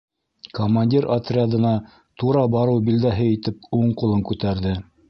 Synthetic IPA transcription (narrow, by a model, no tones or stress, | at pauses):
komanʲdʲiɾat̪rʲɪad̪ɤ̆nɑ | t̪uɾɑbɑɾɤwbild̪æɦɘit̪ɘp̚uɴqŭlˠɤŋkʉt̪æɾðɘ